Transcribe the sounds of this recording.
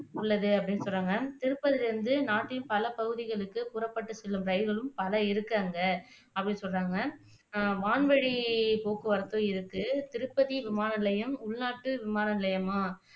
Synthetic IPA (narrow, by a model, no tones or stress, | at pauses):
ʊɭːɐðɯɐpːɐɽɪnːɯsɔrːaːŋɡɐt̪ɪɾɯpːɐðɪlɾɯnd̪ɯnaːʈːɪjɯmpɐlɐpɐɣɯðɪɣɐɭɯkːɯpʊɾɐpːɐʈːɯsɛlːɯmɾɐɪɣɐɭɯmpɐlɐɪɾɯkːaːŋɡɐ | ɐpːɐɽɪnːsɔlraːŋɡɐ | ʋaːɳʋɐɻipoːkɯʋɐɾɐt̪ːõːɪɾɯkːɯt̪ɪɾɯpːɐðiʋɪmaːnɐlɐjɐmʊɭnaːʈːɯʋɪmaːnɐlɐjɐmaː